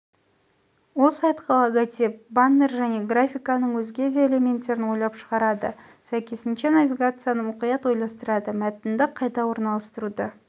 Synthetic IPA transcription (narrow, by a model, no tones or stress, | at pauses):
wo̞lˠsɑjt̪qʰɑlˠɑɡɑt̪ep̚banːerʒæne̞ɡrafʲijkɑnəɴwɵzɡʲe̞d̪eele̞mʲe̞nt̪ːe̞ɾɪnwo̞jlˠɑpʃəʁɑɾɑd̪ə | sæjkʲe̞sɪnʃe̞navʲiɡat̪sɨjanəmʊqijɑt̪wo̞jlˠɑst̪əɾɑd̪əmæt̪ɪnd̪ɪqʰɑjt̪ɑwo̞ɾnɑlˠəst̪əɾud̪ə